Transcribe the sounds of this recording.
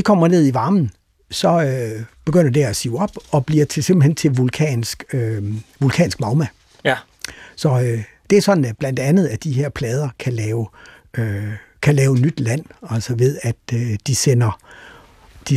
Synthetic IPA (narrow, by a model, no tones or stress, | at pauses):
ikʰɒ̽m̰ɐne̝ð̰ˠiʋɑ̈ːmn̩ | sɒ̽øb̥e̝ɡ̥øn̰ɐd̥eæsiːʊɒ̽b̥ɒ̽b̥liɐt͡sʰesemb̥l̩hen̰t͡sʰe̝lʋulkʰɛ̰ːnsɡ̥øʋulkʰɛ̰ːnsɡ̥mɑ̈ʊmæ | sɒ̽ø | d̥e̝æɐsɒ̽d̥n̩b̥lænd̥ænð̞̩ˠæd̥iɦe̝ɐ̰pʰlɛːð̞ˠɐkʰælɛːʊ | ø | kʰælɛːʊnːyd̥læn̰ælsɐʋe̝ðˠæd̥d̥isen̰ɐ | d̥i